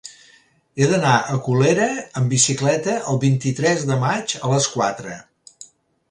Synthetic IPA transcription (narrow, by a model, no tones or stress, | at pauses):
eðənaʔəkuleɾəəmbisiklɛt̪əʔəlˠβint̪it̪ɾɛzðəmad͡ʒələskwat̪ɾə